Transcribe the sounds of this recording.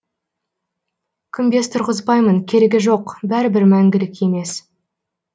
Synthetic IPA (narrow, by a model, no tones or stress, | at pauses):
kʲʰʏmbe̞st̪ʰʊɾʁəzbɑjməŋkʲʰe̞ɾeɡʲɪʒo̞qbæɾɪbɪɾmæŋɡʲɪlɪkʲe̞me̞s